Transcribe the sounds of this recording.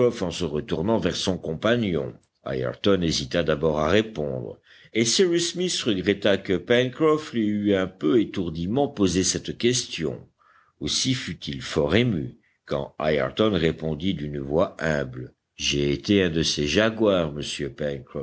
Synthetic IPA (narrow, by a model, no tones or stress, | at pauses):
ɔfɑ̃səʁət̪uʁnɑ̃vɛʁsɔ̃kɔ̃panjɔ̰̃ | a̰jɛ̰ʁt̪ɔnezit̪ad̪abɔʁa̰ʁepɔ̰̃d̪ʁ | esiʁysmisʁəɡʁɛt̪akəpɛnkʁɔfliyɛ̃pøet̪uʁd̪imɑ̃pozesɛt̪kʲɛst̪jɔ̰̃ | osifyt̪ʰilfɔʁemy | kɑ̰̃a̰jɛ̰ʁt̪ɔnʁepɔ̃d̪id̪ynvwaɛ̃bl | ʒeet̪eɛ̃d̪əseʒaɡwaʁməsjøpɛnkχɔ